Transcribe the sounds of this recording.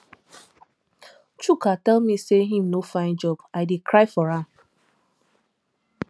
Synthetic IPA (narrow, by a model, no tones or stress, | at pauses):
t͡ʃukatɛlmiseɦĩmnofãɪ̃nd͡ʒɔbaɪdikɾaɪfɔɹãm